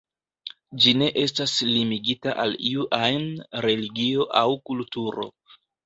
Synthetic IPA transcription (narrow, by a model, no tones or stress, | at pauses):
d͡ʒine̞ʔe̞s̬taslimiɡitaʔaliuʔajnɾe̞liɡio̞ʔawkultuɾo̞̰